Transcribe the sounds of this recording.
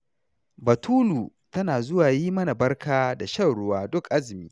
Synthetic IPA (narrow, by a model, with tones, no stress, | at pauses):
bɐ˨tʰuː˦luː˨ | tɐ˦naː˨zʊ˦waː˨jiː˦mɐ˦na˨bɐ˦rkʰaː˦da˨ʃɐ˦˨wɽʊ˦waː˦dʊ˦kʔa˦zɪ˨miː˦